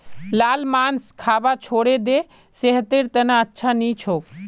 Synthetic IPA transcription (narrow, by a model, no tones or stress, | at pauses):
laːlmanskʰaːbat͡ʃʰoɽed̪e | seɦt̪eɾt̪ənaətːʃʰanit͡ʃʰok